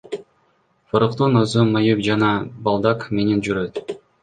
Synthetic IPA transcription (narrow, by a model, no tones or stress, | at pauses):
fɯɾɯqt̪unozumɑjyk̚d͡ʒɑnɑbɑlˠd̪ɑkme̞nend͡ʒyɾøt̪